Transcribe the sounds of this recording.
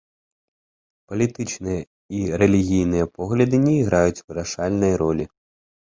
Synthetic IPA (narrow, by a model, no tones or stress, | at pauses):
pɐlʲit̪ɨt͡ʂnɨjɐ | iɾɛlʲiɣʲijnɨjɐpɔɣlʲɐd̪ɨnʲɛiɣɾajut͡sʲvɨɾaʂalʲnɐjɾɔlʲi